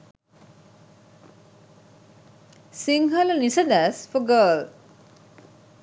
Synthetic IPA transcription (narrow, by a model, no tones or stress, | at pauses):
siŋɦɐlɐnisɐd̪æːsfoɡəːl